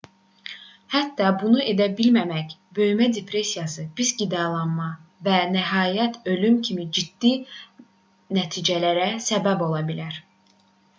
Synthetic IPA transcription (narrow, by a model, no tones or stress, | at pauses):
hæt̪ːɑbunue̞d̪æbilmæmæcbø̞jmæd̪epʰɾe̞sijɑsɯb̥isɟid̪ɑlˠɑnmɑvænæɦɑːjæt̪ʰø̞lymcʰimid͡ʒid̪̥ːi | næt̪ʰiːd͡ʒælæɾæsæbæbo̞lˠɑbilæɾ̥